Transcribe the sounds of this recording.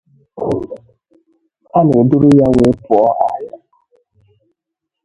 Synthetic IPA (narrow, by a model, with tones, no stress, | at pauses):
a˦ne˨dʊ˦ɾʊ˦ja˦we˦pʊ˨ɔ˦ʔa̰˨ja˦